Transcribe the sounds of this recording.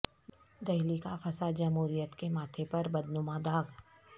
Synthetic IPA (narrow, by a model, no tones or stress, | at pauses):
d̪ɐɦlikafʰɐsad͡ʒɐmɦuːɾijət̪kemaːt̪ʰepɐɾbɐd̪nʊmãd̪aːɡ